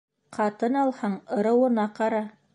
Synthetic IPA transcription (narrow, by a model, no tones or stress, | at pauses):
qʰɑt̪ɤnɑlˠhɑɴɤ̆ɾɤ̆wɤ̆nɑqɑɾɑ